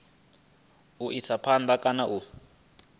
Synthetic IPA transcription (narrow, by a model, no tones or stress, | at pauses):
uʔisapʰand̪ʱakʼanaʔu